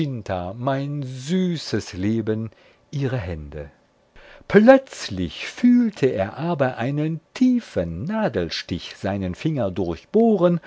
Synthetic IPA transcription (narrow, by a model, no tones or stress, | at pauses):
ɪntʰamaɪnzyːsəsleːbən | ʔiːʁəɦɛndə | plœt͡slɪ̰çfyːltʰəeːɐʔaːbɐʔaɪnəntʰiːfənːaːdl̩ʃtɪçz̥aɪnənfɪŋɐdʊɐçb̥oːʁən